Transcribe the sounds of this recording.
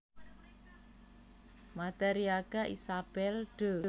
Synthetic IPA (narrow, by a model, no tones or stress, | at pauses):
mat̪eɾiaɡ̥aʔḭsab̥ɛlɖ̥ə̤